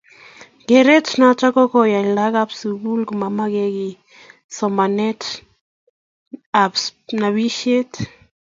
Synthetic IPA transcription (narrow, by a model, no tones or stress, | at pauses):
ɡeɾetnat͡ʃakɔkɔjailaɡapsuɡulkumamaɡɛɡi | sɔmanɛt | apsnaβiʃet